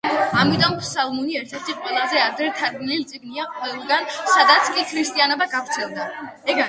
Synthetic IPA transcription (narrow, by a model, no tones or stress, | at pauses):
amit̪ʼɔmsamuniɛɾt̪ʰɛɾt̪ʰiqʼwɛlˠazɛad̪ɾɛt̪ʰaɾɡninlit̪sʼiɡniaqʼwɛlˠɡansad̪at̪sʰkʼikʰɾist̪ʼianɔbaɡavɾt̪sʰɛlˠd̪aɛ